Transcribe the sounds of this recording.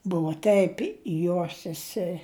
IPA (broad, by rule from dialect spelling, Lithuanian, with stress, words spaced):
ˈbʊʋoː ˈtʲɛɪp ˈjoːs sʲɛˈsʲɛ